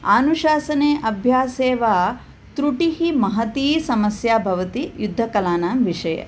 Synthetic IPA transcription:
aːnuʃaːsɐneːʔɐbʱjaːseːʋaː | t̪ɾuʈiɦimɐɦɐt̪iːsɐmɐsjaːbʱɐʋɐt̪ijud̪ʱːɐkɐlaːnaːmʋiʂɐjɐ̰

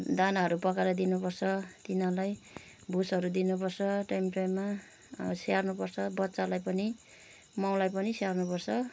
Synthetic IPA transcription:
d̪anaɦʌɾupʌkaɾʌd̪inupʌrt͡sʰʌt̪inalaj | busɦʌɾud̪inup̬ʌrt͡sʰʌʈajmʈajmːa | sarnupʌrt͡sʰʌbʌt̪ːsalajpʌni | maw̃lajpʌnisearnupʌrt͡sʰʌ

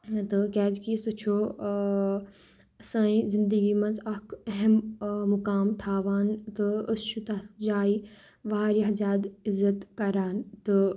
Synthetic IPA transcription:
t̪ɐkɛːd͡ʑkiːsɐt͡ʃʰoː | ɐsãːĩzɪ̃nd̪əɡimɐ̃nzɐkʰɐɦemːʊkaːmt̪ʰaːʋaːnt̪ɐɐsʃut̪aːd͡ʒaːi | ʋaaːɾiɦɐzaːd̪ɪzːət̪kɐɾaːnt̪ɐ

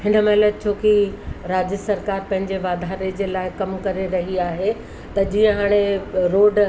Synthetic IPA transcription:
hɪ̃nə̆mɐɦɪləd̪̚t͡ɕʰoːkiɾaːd͡ʑəsɐɾkaːɾpɐ̃ɦɪ̃ɲd͡ʑeʋaːd̪ʱaːɾed͡ʑeːlaːɪkɐmkɐɾeɾɐɦiaːɦe | t̪ɐd͡ʑiːə̃ɦaːɽ̃eɾoːɖ

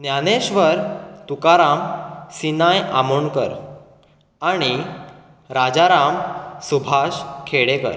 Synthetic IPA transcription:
njaneɕʋəɾt̪ukaɾamsinajamuɳkəɾ | aɽ̃i | ɾad͡zaɾamsubʱaɕkʰeɽekə̰ɾ

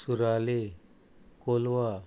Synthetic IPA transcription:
suɾale | kolʋa

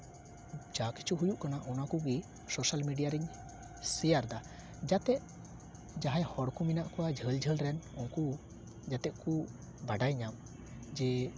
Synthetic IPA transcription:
d͡ʒaki̥t͡ʃuɦujuʔkanaʔɔnakuɡi | sɔsalmiɖijaɾiɲ | sɛjaɾd̪a | d͡ʒat̪ɛʔ | d͡ʒaɦajhɔɽkuminaʔkɔwad͡ʒʱəld͡ʒʱəlɾɛnɔŋku | d͡ʒat̪ɛʔku | baɖajɲam | d͡ʒɛ

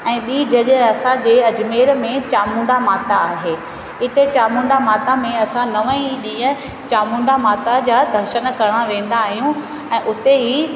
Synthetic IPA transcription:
ɛ̃ːɓiːd͡ʑɐʄɐsãd͡ʑeːɐd͡ʑmeːɾmẽt͡ɕaːmũːɳɖamaːt̪aːɦeː | ɪt̪et͡ɕaːmũːɳɖamaːt̪amẽɐsãnɐʋə̃ĩɗĩːə̃ | t͡ɕaːmũːɳɖamaːt̪ad͡ʑaːd̪ʱɐɾʃənkɐɾɽ̃aʋẽːnd̪aːɦijũ | ɛ̃ːʔʊt̪eɦi

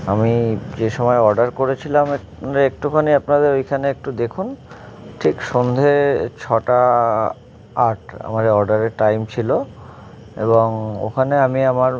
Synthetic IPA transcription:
amid͡ʑeʃɔmɔeɔɾɖaɾkoɾet͡ɕʰilame | ek̚ʈukʰaniapnad̪eɾojkʰaneek̚ʈud̪ekʰunʈʰikʃond̪ʱet͡ɕʰɔʈa | aɾʈa̰maɾeɔɾɖaɾeʈajmt͡ɕʰilo | ḛboŋo̰kʰaneamiamaɾ

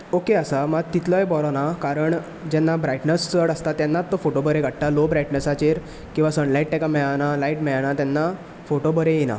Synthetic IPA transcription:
okeəsamat̪it̪lɔjebɔɾɔnakaɾəɳ | d͡ʑɛnːabɾajʈnəst͡səɽəst̪at̪jɛnːat̪ːɔfoʈobəɾeɡʱəɽʈalobɾajʈnəsat͡ɕeɾ | kĩw̃ʋasənlaiʈːɛkamɛɭanalaiʈmɛɭanat̪jɛnːa | foʈobəɾẽjena̰

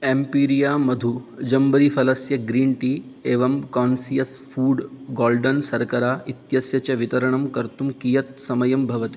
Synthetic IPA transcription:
empiːɾijaːmɐd̪ʱud͡ʒɐmbɐɾifʰɐlɐsjɐɡɾiːɳʈiːeːʋɐmkaːnsijɐsfuːɖɡoːlɖɐnsɐɾkɐɾaːit̪jɐsjɐt͡ʃɐʋit̪ɐɾɐɳɐmkɐɾt̪umkijɐt̪̚sɐmɐjɐmbʱɐʋɐt̪i

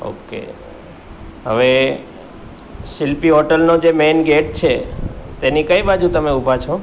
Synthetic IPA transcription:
o̰kḛ | ɦə̰ʋe | sɪlpiɦɔʈəlnod͡ʒemenɡeʈ̚t͡ʃʰet̪enikəibad͡ʒut̪əmeubʱat͡ʃʰo

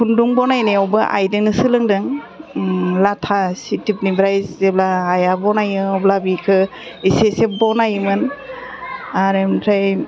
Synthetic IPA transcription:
pʰunduŋbɔnajneɔbɯʔa̰jdɯnɯsɯlɯŋdɯŋ | latʰasitip̚nibɾajzeblaːjabɔnajɯɔblabikʰɯ | isesep̚bɔnajmɯn | aɾemtʰɾaj

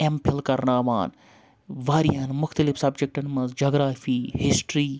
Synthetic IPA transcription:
empʰelkɐɾnaːʋa̰ːn | ʋaːɾijaːnmʊxt̪əlɪfsɐbd͡ʒek̚ʈɐnmɐnzd͡ʒoːɡɾaːfiːhɪsʈɾiː

